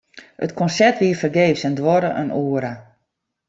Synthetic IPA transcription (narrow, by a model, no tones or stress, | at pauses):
ətkʰɔnsɛtʋiərfərɡeːfsɛndʋɔɾəʔə̰nuːəɾa